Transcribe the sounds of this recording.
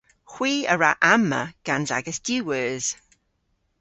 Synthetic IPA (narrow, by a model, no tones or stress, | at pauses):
hw̥iːəɹaʔamːə̰ɡ̥anza̰ɡəsd̥jʉːwəːz̥